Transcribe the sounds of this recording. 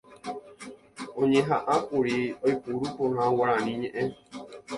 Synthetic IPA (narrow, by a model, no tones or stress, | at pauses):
õɲẽɦaʔãkuɾiojpuɾupohãwaɾãnĩɲẽʔẽ